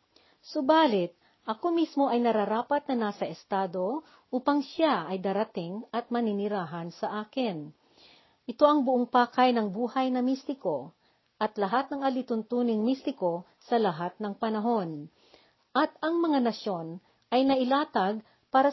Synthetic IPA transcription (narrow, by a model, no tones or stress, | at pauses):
sʊbaːlɪt̪̚ | ʔɐko̞mismo̞ʔɐjnɐɾɐɾaːpɐt̪̚nɐnaːsɐʔɛst̪aːd̪o̞ | ʔuːpɐŋʃaʔɐjd̪aːɾɐt̪ɪŋɐt̪̚mɐnɪnɪɾaːɦɐnsɐʔaːkɪn | ʔɪt̪o̞ʔɐŋbʊʔoŋpaːkɐjnɐŋbuːhɐjnɐmist̪ɪko̞ | ʔɐt̪lɐɦat̪̚nɐŋɐlɪt̪ʊnt̪uːnɪŋmist̪ɪko̞ | sɐlɐɦat̪̚nɐŋpɐnɐɦo̞n | ʔɐt̪ɐŋmɐŋanɐʃjo̞n | ʔɐjnɐʔɪlaːt̪ɐɡ̚ | paːɾɐ